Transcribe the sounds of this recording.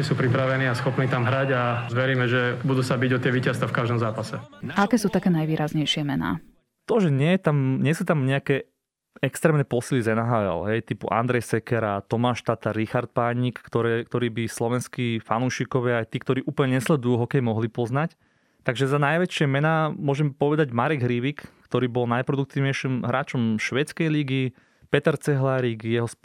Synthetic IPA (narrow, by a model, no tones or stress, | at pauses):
ɛsuːpɾipɾaʋɛniːasxɔpniːt̪amɦɾaɟaʋɛɾiːmɛʒɛbud̪uːsabiɟɔt̪ɪɛʋiːcast̪afkaʒd̪ɔmzaːpasɛaakɛːsuːt̪akɛːnajʋiːɾazɲɛjʃɪɛmɛna̰ː | t̪ɔʒɛɲɪɛjɛt̪amɲɪɛsuːt̪amɲɛakɛ | ɛkst̪ɾɛːmnɛpɔsilizɛnaɦaɛ̰lɦɛjt̪ipṵʔa̰nd̪ɾɛjsɛkɛɾat̪ɔmaːʃt̪at̪aɾɾixaɾt̪̚paːɲikkt̪ɔɾɛkt̪ɔɾiːbislɔʋɛnskifanuːʃikɔʋɪaajt̪iːkt̪ɔɾiːʔuːplɲɛɲɛslɛd̪ujuɦɔkɛjmɔɦlipɔznac | t̪aɡʒɛzanajʋɛt͡ʃɪɛmɛnaːmʊɔʒɛmpɔʋɛd̪aɟmaɾɛɡɦɾiʋikkt̪ɔɾiːbɔlnajpɾɔd̪uk̚t̪iːʊɲɛjʃimɦɾʔaːt͡ʃɔmʃʋɛt͡skɛjliɡi | pɛt̪ɛɾt͡sɛɦlaɾikjɛɦɔs